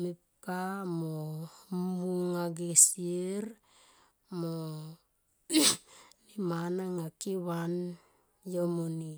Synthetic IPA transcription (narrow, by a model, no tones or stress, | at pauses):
mip | kamomuŋaɡesieɾ | mo | nimanaŋakiβan | jomoni